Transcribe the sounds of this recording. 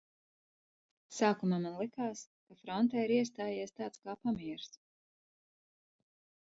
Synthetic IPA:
saːkumaːmanlˠikaːs | kafɾɔnt̪ɛiɾiɛst̪aːjiɛst̪aːt̪skaːpamiɛɾs

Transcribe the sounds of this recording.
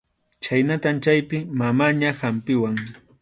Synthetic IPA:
t͡ʃajnat̪ant͡ʃajpɪmamaɲahampɪwaŋ

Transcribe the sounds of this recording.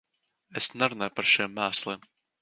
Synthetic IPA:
esnaɾunajpaɾʃimːæːslˠiːm

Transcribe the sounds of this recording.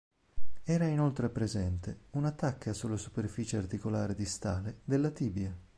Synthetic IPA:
ɛːɾainolt̪ɾepɾezɛnt̪eunat̪ːakːasulːesuperfiːt͡ʃeart̪ikolaːɾid̪ist̪aːled̪elːat̪iːbja

